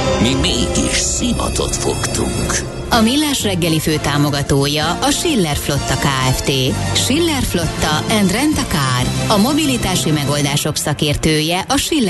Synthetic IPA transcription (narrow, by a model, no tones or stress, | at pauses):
mimeːɡiʃsinɒ̰t̪o̞̰t̪fo̰kt̪ṵŋk | ɒmilːaːʃrɛɡːɛliføːt̪aːmo̞ɡɒt̪oːjɒʔɒʃilːɛrflo̞t̪ːɒkaːɛft̪eːʃilːɛrflo̞t̪ːɒʔɛnd̪rɛnt̪ɒkaːrɒmo̞bilit̪aːʃimɛɡo̞ld̪aːʃo̞ksɒkeːrt̪øːjɛʔɒʃilː